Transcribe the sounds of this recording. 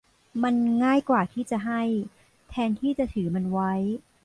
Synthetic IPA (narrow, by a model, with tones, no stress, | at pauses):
ma˧nŋaː˥˩jkwaː˨˩t̪ʰiː˥˩t͡ɕa˨˩ɦa˥˩j | t̪ʰɛː˧nt̪ʰiː˥˩t͡ɕa˨˩t̪ʰɯː˩˦ma˧nwa˦˥j